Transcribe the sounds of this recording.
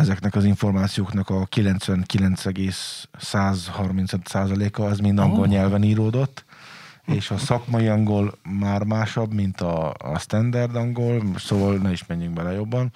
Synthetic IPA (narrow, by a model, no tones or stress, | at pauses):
ɛzɛknɛkɒziɱfo̞rmaːt̪sijoːknɒkɒkilɛnt̪sʋɛŋkilɛnt̪sɛɡeːsːaːzhɒrmint̪sot̪saːzɒleːkɒɛzmind̪ɒŋɡo̞lɲɛlvɛniːɾoːd̪o̞t̪ː | eːʃɒsɒkmɒjiɒŋɡo̞lmaːrmaːʃɒbmint̪ɒ̰st̪ɛnd̪ɛrd̪ɒŋɡo̞lsoːvɒlnɛiʃmɛɲːyŋkbɛlɛjo̞bːɒn